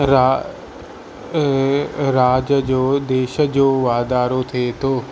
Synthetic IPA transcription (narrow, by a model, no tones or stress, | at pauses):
ɾa | ɾaːd͡ʑəd͡ʑoːd̪eːʃəd͡ʑoːʋaːd̪aːɾot̪ʰiet̪ʰoː